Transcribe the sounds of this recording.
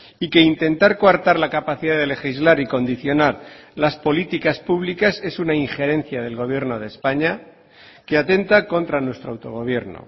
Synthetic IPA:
ike̞int̪e̞nt̪aɾkwaɾt̪aɾlakapaθiðaðe̞le̞xizlaɾiko̞nd̪iθjo̞naɾlaspo̞lit̪ikaspuβlikase̞sunaiŋxe̞ɾẽ̞n̟θjað̞e̞lɣo̞β̞je̞ɾno̞ð̞e̞spaɲa | ke̞at̪e̞nt̪ako̞nt̪ɾanwe̞st̪ɾoawt̪o̞ɣ̞o̞β̞je̞ɾno̰

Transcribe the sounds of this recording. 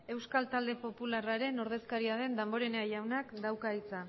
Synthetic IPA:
e̞wskalt̪ald̪e̞po̞pularaɾe̞no̞ɾðe̞skaɾiað̞e̞nd̪ambo̞ɾe̞neaʝawnakd̪awkait͡sa

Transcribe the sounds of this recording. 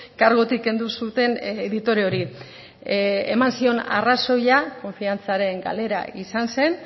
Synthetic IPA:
kaɾɣo̞t̪ike̞nd̪usut̪e̞neðit̪o̞ɾeoɾi | emansio̞na̰raso̞jako̞ɱfiant͡saɾe̞ŋɡa̰le̞ɾa̰isanse̞n

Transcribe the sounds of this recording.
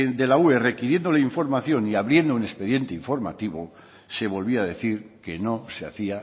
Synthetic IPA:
d̪e̞laue̞re̞kiɾje̞nd̪oleiɱfo̞ɾmaθjo̞niaβɾje̞nd̪oune̞spe̞ðje̞nt̪eiɱfo̞ɾma̰t̪iβo | se̞βo̞lβiaðe̞θiɾke̞no̞sea̰θia

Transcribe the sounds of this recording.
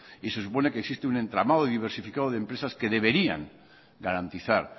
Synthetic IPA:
ise̞s̬upo̞ne̞keksist̪eune̞nt̪ɾamaðoiðiβ̞e̞ɾsifikaðoðe̞mpɾe̞saske̞ðe̞β̞e̞ɾia̰ŋ | ɡaɾant̪iθaɾ

